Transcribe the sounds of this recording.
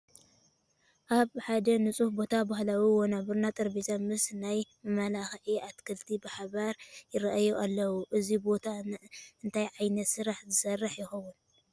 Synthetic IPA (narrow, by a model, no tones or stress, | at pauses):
ʔaβħad̪ɐnɨt͡sʼufbo̞t̪ʰabahlawiwonabɨɾnat̪ʼɨɾbizamɨsnajmɐmalaxʕiʔat̪kʰɨlt̪ʰibaħaβaɾjɪɾɐʔajuʔalːɐwuʔɨzibo̞t̪ʰaɨnt̪ʰajʕajnɐt̪sɨɾaħzɨsɐrːɨħjɪxɐwːun